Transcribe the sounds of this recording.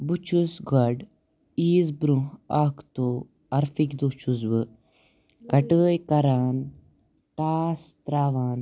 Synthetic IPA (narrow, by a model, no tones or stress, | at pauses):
but͡ʃʰusɡɐɖ | iːzbɾuɦakt̪oː | ɐɾfikd̪ot͡ʃʰuzʋɨ | kɐʈəːjkɐɾaːn | ʈaːst̪ɾaːʋaːn